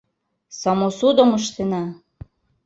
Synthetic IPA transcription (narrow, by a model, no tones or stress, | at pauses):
sɑmosud̪ŏmɤʃt̪enɑ